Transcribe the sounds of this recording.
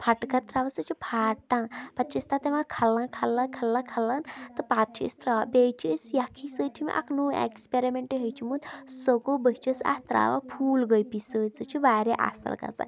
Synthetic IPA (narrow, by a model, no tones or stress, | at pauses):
pʰaʈkɐɾt̪ɾaːʋɐsət͡ʃʰipʰaːʈãːpɐt͡ʃist̪at̪eʋãkʰɐlãkʰɐlːãkʰɐlːãkʰɐlːant̪ɨpaːt͡ʃʰḭst̪ɾaːbeːt͡ʃʰəsjakʰisəːt͡ʃʰimḭʔɐ̰knuːḛkspeɾimeɳʈiɦəjt͡ʃʰimut̪səɡobəɦt͡ʃəsa̰st̪ɾa̰ːʋa̰pʰuːlɡəjpisəːt͡sɨt͡ʃʰiʋaːɾeʔa̰sə̰lɡa̰t͡sa̰